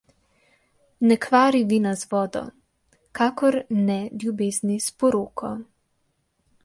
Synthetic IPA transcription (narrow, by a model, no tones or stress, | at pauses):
nɛkʋaːɾiʋinazʋɔːd̪ɔ̰ | kaːkɔɾnɛlʲjubeːznispɔɾoːkʰɔ